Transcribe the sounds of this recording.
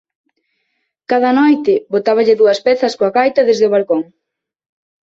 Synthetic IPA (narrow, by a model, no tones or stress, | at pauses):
kaðɐnɔjt̪ɪβot̪aβ̞ɐʎɪðuɐspɛθɐskoaɣajt̪ɐðezðeoβ̞alkoŋ